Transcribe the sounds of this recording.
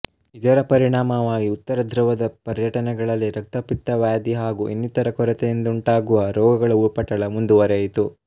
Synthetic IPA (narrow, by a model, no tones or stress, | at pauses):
id̪ɐɾɐpɐɾiɳaːmɐʋaːɡiut̪ːɐɾɐd̪ʱɾɐʋɐd̪ɐpɐɾjɐʈɐnɛɡɐɭɐlːiɾɐk̚t̪ɐpit̪ːɐʋaːd̪iɦaːɡuʔenːit̪ɐɾɐkɔɾɐt̪ɛjind̪ɐuɳʈaːɡuʋɐɾɔːɡɐɡɐɭɐupɐʈːɐɭɐmund̪uʋɐɾɛjit̪u